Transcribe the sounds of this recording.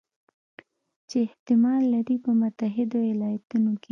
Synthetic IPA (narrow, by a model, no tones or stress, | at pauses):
t͡ʃeːht̪ɪmɑlːaɾipəmʊt̪aɦɪd̪owɪlɑjat̪unoke